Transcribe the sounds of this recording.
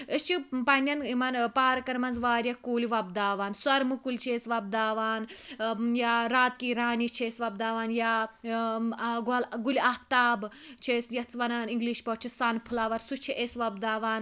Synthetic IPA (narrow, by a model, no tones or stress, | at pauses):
ɨst͡ʃʰipɐnʲɐnimɐnpaːɾɐkɐɾmɐnzʋaːɾʲjɐkuːlʲiʋɐbd̪aːʋaːnsɐɾmɨkulʲt͡ʃʰeːsʋɐb̚d̪aːʋaːnjaːɾaːt̪̚kiːɾaːniːt͡ʃʰieːsʋɐb̚d̪aːʋaːnjaː | ɡlɡulʲiapt̪aːbt͡ʃʰesjɐt͡s̪ʰʋɐnaːniŋɡliʃpɐt͡ʃʰisanpʰulaːʋɐɾsut͡ʃʰiʔesʋɐbd̪aːʋaːn